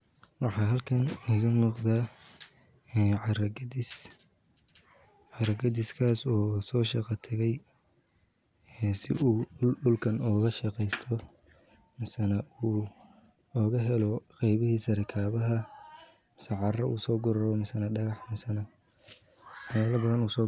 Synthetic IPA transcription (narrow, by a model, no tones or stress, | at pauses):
wɑħɑːɦɐlkʰɐnɪɣɐmuːqd̪aː | ɛːʕɑrɐɡɐdɪs | ʕɑɾɐɡɐðɪskʰaːsɔːsɔːʃɑqɑt̪ʰɐɣɛj | ɛːsɪ̰ʔuːɖʊlkʰɐnɔːɣɐʃɑqɛjst̪ʰɔ | mɪsɐnɐuː | ɔːɣɐɦɛlɔqɛjβɪhiːsɐɾɛkʰaːβɐɦɐ | mɪsɐʕɑrɐṵːsɔːɡʊɾɔɾɔmɪsɐnɐɖɐɣɑħmɪsɐnɐ | ħɛːlɐbɐðɐnuːsɔː